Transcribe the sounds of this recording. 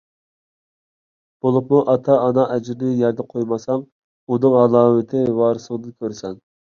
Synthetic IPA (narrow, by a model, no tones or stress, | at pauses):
b̥olˠʊpmuʔɑt̪ʰɑːnɑʔɛd͡ʒɪɾnɪjɛɾd̪ɛqʰojmɑsɑm | unɨŋɑlˠɑːmɪt̪ʰɪwɑːɾɨsəŋd̪ɨnkʲʰøɾsɛn